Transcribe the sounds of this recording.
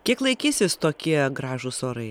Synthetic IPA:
kʲiɛklˠɐɪkʲiːsʲɪst̪oːkʲiɛɡɾɑːʒuːsoːɾɐɪ

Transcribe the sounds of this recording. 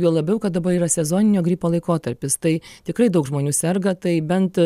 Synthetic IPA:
juɔlˠɐbʲɛʊkɐt̪̚d̪ɐbɐɾiːɾɐsʲɛzoːnʲɪnʲoːɡɾʲiːpoːlˠɐɪkoːt̪ɐɾʲpʲɪst̪ɐɪt̪ʲɪkrɐɪd̪ɐʊkʒmoːnʲuːsʲɛrɡɐt̪ɐɪbʲɛnt̪

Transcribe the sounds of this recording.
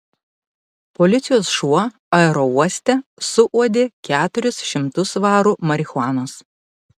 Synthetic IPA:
polʲɪt̪sʲɪjoːsʃuɔ | ɐɛɾɔuɔsʲt̪ʲɛsʊʔuɔd̪ʲeːkʲæːt̪ʊɾʲɪsʃʲɪmt̪ʊsʋɑːɾumɐɾʲɪxʊɑːnoːs

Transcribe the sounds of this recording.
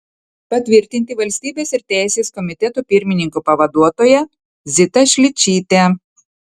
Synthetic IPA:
pɐt̪ʲʋʲɪɾʲt̪ʲɪnʲt̪ʲɪʋɐlʲsʲt̪ʲiːbʲeːsɪɾt̪ʲæˑɪsʲeːskɔmʲɪt̪ʲɛt̪uːpʲɪɾʲmʲɪnʲɪŋkupɐʋɐd̪uɔt̪oːjɛ | zʲɪt̪ɐʃʲlʲɪt͡ʃʲiːt̪ʲe

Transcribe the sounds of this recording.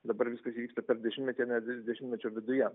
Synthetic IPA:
d̪ɐbɐɾʋʲɪskɐsiːʋʲikst̪ɐpʲɛɾd̪ʲɛʃʲɪmtʲmʲɛt̪ʲɛnʲɛd̪ʲɛʃʲɪmtʲmʲɛt͡ʃʲʊʋʲɪd̪ʊjɛ

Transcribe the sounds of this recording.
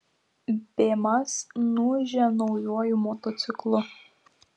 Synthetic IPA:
pʲeːmɐsnuʒʲɛnɔʊjuɔjʊmɔt̪ɔt̪sʲɪklˠʊ

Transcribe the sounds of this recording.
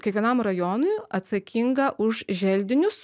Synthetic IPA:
kʲɛkʋʲiɛnɐmɾɐjoːnʊɪɐt̪sɐkʲiŋɡɐʔʊʃʒʲɛlʲd̪ʲɪnʲʊs

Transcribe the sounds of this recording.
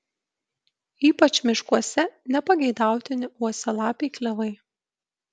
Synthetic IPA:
iːpɐt͡ʃmʲɪʃkuɔsʲɛnʲɛpɐɡʲɛɪd̪ɑˑʊt̪ʲɪnʲɪuɔsʲɛlˠɑːpʲɛɪklʲɛʋɐɪ

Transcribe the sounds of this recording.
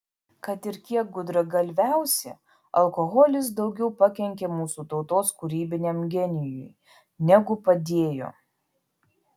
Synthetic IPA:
kɐt̪ɪɾkʲiɛk̚ɡʊd̪ɾɐɡɐlʲʋʲæˑʊsʲɛ̰ | ɐlˠkɔɣɔlʲɪs̬d̪ɒʊɡʲɛʊpɐkʲɛŋʲkʲemuːsut̪ɒʊt̪oːskʊɾʲiːbʲɪnʲemɡʲɛnʲɪjʊj | nʲɛɡʊpɐd̪ʲeːjo̰ː

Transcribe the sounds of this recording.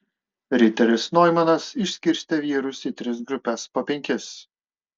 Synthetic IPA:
ɾʲɪt̪ʲɛɾʲɪsnɔjmɐnɐsɪʃsʲkʲɪɾʲsʲt̪ʲɛʋʲiːɾʊsiːt̪ʲɾʲɪsɡɾʊpʲɛspoːpʲɛŋʲkʲɪs

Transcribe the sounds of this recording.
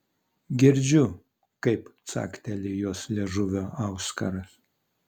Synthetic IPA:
ɡʲɪɾʲd͡ʒʲʊ | kɐɪpt̪sɑ̰ːkt̪ʲɛlʲɪjoɔslʲeʒʊʋʲoːʔɐʊskɐ̰ɾɐs

